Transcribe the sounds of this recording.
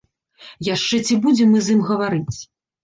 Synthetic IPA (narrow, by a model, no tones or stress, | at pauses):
jaʂt͡ʂɛt͡sʲibud͡zʲɛmɨzɨmɣɐvaɾɨt͡sʲ